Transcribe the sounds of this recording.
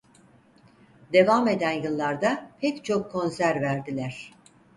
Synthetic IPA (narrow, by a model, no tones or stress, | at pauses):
d̪e̞vame̞d̪ænjɯlˠːaɾd̪apʰɛct͡ʃʰo̞kʰːo̞nsæɾvæɾd̪ilʲæɾ̝̥